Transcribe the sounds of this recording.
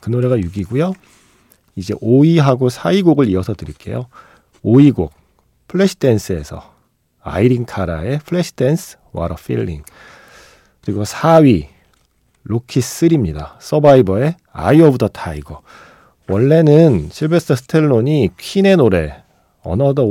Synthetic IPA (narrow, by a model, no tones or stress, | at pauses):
kɯnoɾe̞ɡajuɡiɡujo | id͡ʑe̞̰ʔoiɦaɡosʰaiɡoɡɯɭiʌsʰʌdɯɾiɭk͈e̞̰jo | oiɡo̰k̚ | pʰɯɭːeɕʰi̥t͈ʰe̞ns͈ʰɯe̞sʰʌ | a̰iɾiŋkʰaɾa̰e̞pʰɯɭeɕʰi̥t͈ʰe̞nsʰɯ̥ | wa̰ɾʌpʰḭlːḭŋ | kɯɾiɡosʰaɥi | ɾokʰis͈ɯɾimɲidas͈ʌbaibʌe̞ | a̰iʌbutʰʌtʰaiɡo | wʌɭːe̞nɯnɕʰiɭbe̞sʰɯɯsʰɯ̥tʰeɭːoɲikʰine̞noɾe̞̰ | ʌ̰nʌdʌ